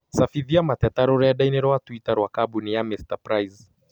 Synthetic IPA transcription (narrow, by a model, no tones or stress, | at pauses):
safiðiamatɛtaɾɔɾɛaɗajnɛɾɔwatwitaɾwakabunijamɛstapɾajz